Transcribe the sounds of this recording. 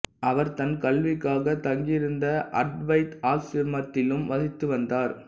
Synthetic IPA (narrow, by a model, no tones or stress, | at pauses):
ʔɐʋɐɾt̪ɐnkɐlʋɪkːaːɣɐt̪ɐŋɡɪɾɯnd̪ɐʔɐ̰ɖʋɐɪt̪aːlsɪɾmɐt̪ːɪlɯmʋɐðɪt̪ːɯʋɐnd̪aːɾ